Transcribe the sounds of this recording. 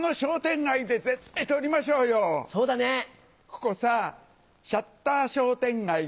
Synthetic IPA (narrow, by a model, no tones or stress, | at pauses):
noɕo̞ːt̪ẽ̞ŋɡaid̪e̞ze̞t̪ːait̪o̞ɾʲimaɕo̞ːjoso̞ːd̪ane | ko̥ko̞sa | ɕat̪ːaːɕo̞ːt̪ẽ̞ŋɡai